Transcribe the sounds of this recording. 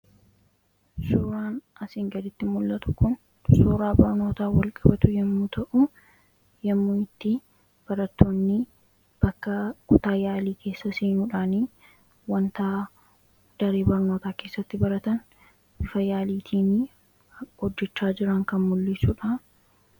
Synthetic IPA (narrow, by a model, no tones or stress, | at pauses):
suːɾaːnʔɐsɪŋɡɐd̪ɪt̪ːɪmʊlːɐt̪ʊ̥kʊn | suːɾaːbɐɾno̞ːt̪aːwɐlkʼɐbɐt̪ʊjɛmːuːt̪ʰɐʔʊ | jɛmːuːɪt̪ːɪ | b̥ɐɾɐt̪ːoːnːɪ | b̥ɐkːɐkʊt̪aːjaːliːkʰe̞ːsːɐsiːnuːᶑaːniː | wɐnt̪aː | d̪̥ɐɾeːbɐɾnoːt̪aːke̞ːsːɐt̪ːɪbɐɾɐt̪ɐn | ɪfɐjaːliːt̪ʰiːni | hɔd͡ʒːɛt͡ʃːaːd͡ʒɪɾɐŋkɐnmʊlːɪsuːᶑa